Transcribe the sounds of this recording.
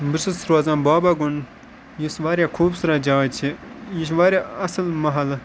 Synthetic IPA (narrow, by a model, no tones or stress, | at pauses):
bisɨsɾaːzãnbaːbaɡun | jisʋaːɾʲjakʰuːbsɨɾad͡ʒaːt͡ʃʰijiʃ̬ʋaːɾʲjaɐslmɐɦɐl